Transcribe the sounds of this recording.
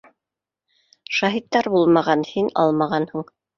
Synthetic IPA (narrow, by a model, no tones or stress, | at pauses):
ʃɑɦit̪ːɑɾbulˠmɑʁɑnhinɑ̰lˠmɑʁɑnhɤɴ